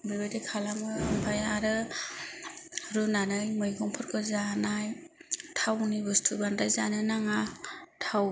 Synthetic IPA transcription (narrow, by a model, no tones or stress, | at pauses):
bibadikʰalaŋɯɯmpʰajaɾɯ | ɾunanɯjmɯjɡɔŋpʰɔɾkʰɯzanajtʰawnibɯstʰubandajza̰nɯnaŋatʰaw